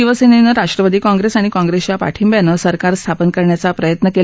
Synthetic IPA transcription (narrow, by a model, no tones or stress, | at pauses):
iʋəseninəɾaʂʈɾəʋəd̪iːkɔ̃ŋɡɾesaɽ̃ikɔ̃ŋɡɾest͡ɕapa̰ʈʰimbjanəsəɾkaɾst̪ʰapənkəɾɳjat͡sapɾəjət̪nəke